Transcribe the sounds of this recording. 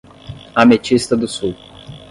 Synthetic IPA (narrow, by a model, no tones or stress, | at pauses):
amet͡ʃist̪ɐd̪ʊsuw